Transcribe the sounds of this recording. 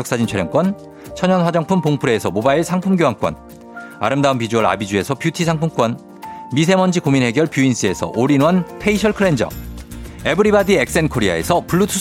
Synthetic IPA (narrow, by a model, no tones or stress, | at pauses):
ʌk̚s͈ad͡ʑint͡ɕʰeɾjʌŋk͈wʌn | t͡ɕʰʌɲʌnswad͡ʑʌŋpʰumpoŋpʰuɾe̞ːsʰʌmobaiɭsʰaŋpʰumɡjoɦaŋk͈wʌ̰n | a̰ɾɯmdaunpid͡ʑuʌɾa̰bid͡ʑue̞sʰʌpjutʰisʰaŋpʰumk͈wʌn | mis̬ʰe̞mʌnd͡ʑikominɦe̞ɡjʌɭpjuins͈ie̞sʰʌ̰ʔoɾinwʌnpʰe̞iɕʰʌɭkʰɯɭe̞nd͡ʑʌ̰ | e̞bɯɾibadie̞k̚s͈e̞nkʰoɾia̰e̞̰sʰʌpuɭːutʰu